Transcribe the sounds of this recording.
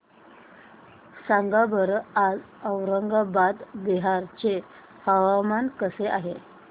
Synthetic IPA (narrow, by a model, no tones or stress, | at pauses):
saŋɡabʱəɾad͡z | əʋɾəŋɡabad̪biɦaɾt͡ɕe | həʋamankəseʔaɦe